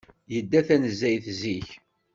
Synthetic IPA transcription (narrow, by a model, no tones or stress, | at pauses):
jəd̪ːæθænəzːæjθziç